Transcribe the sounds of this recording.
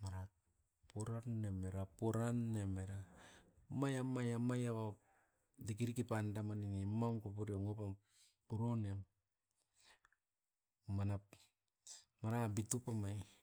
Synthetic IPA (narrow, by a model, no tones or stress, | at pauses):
maɾa | poɾanːemeɾapoɾanːemeɾa | majamajamajaβa | dik̬iɾikipandamaninimaŋkopuɾioŋopa | puɾoneam | mana | maɾabitupamaj